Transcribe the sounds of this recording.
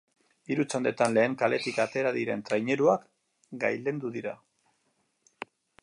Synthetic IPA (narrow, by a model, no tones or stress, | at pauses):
iɾut͡sond̪e̞t̪anle̞ːŋkale̞t̪ikat̪e̞ɾaðiɾe̞nt̪ɾajɲe̞ɾuak | ɡa̰jle̞nd̪uðiɾa